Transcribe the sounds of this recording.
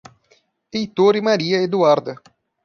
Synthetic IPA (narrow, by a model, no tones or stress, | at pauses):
ejt̪oɾimaɾiːɐed̪uaɾd̪